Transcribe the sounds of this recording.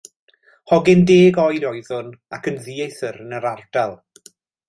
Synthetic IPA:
hɔɡɪndeːɡɔjdɔjðʊnakʰənðiːejθəɾənəɾard̥alˠ

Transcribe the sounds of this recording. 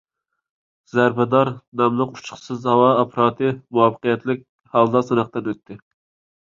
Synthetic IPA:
z̥æɾbɛd̪ɑɾnɑmlˠəqu̥t͡ʃʰʊ̥χsɨzhɑwɑːpʰɾɑːt̪ʰɨmuɑfə̥qijɛt̪lɪk̚ʲ | hɑlˠd̪ɑsɨnɑqt̪ɨnøt̪ʰːɪ

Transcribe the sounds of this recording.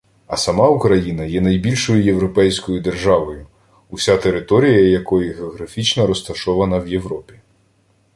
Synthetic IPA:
ɐsɐmɑukɾɐjinɐjɛnɐjbʲilʲʃɔjʊje̞wɾɔpɛjsʲkɔjʊd̪e̞rʒɑʋɔjʊ | ʊsʲat̪e̞ɾɪt̪ɔɾʲijɐjɐkɔjʊɦeɔɣɾɐfʲit͡ʃnɐɾɔst̪ɐʃɔʋɐnɐwje̞wɾɔpʲi̥

